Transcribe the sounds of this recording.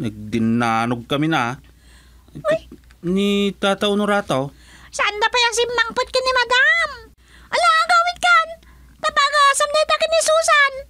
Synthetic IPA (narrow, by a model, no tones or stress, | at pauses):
nɐɡ̚d̪ɪnːaːnʊɡ̚kɐmɪnɐ | j | nit̪aːt̪awnʊɾaːt̪aw | sɐʔand̪apajaŋs̬ɪmːɐŋpʊt̪̚kɐnɪmɐd̪am | ʔɐlaŋaŋɡawɪt̪̚kan | t̪ɐbaːɡasamd̪at̪akɪnhsuːsan